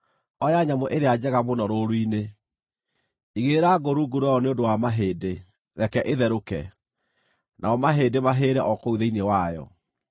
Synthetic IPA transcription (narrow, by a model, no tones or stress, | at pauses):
ɔjaɲamoʔeɾead͡ʑɛɣaβonɔɾoɾoine | iɣeɾaɡoɾuɡuɾajɔneondowamaɦeːde | ɾɛkɛʔeðɛɾokɛ̰ | nʔaɔmaɦeːdemaɦeːɾɛʔɔkouðeinewajɔ̰